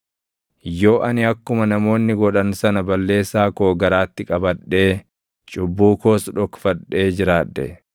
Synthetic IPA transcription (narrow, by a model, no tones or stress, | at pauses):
jo̞ːʔɐnɪɐkːʊmɐnɐmo̞ːnːɪɡɔᶑɐnsɐnɐbɐlːe̞ːsːaːkoːɡɐɾaːt̪ːɪkʼɐbɐᶑːe̞ː | t͡ʃʼʊbːuːko̞ːsᶑɔkfɐᶑe̞ːd͡ʒɪɾaːᶑːɛ̰